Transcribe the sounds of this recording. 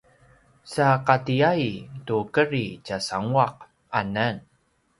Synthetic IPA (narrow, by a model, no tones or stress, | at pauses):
saqatiajtukəɾit͡ɕasaŋuaq̚ | anən